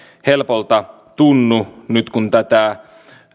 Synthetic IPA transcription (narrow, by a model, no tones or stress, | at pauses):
helpolt̪ɑ | t̪unːunyt̪kunt̪æt̪æ